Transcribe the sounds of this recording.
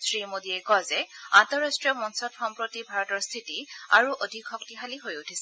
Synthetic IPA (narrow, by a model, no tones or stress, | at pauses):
sɹimodiɛkɔzɛantɔɹastɹiɔmɔnsɔtxɔmpɹotibʱaɹɔtɔɹst̪ʰitia̰ɹuʔodʱikʰːɔk̚tiɦaliɦojutʰisɛ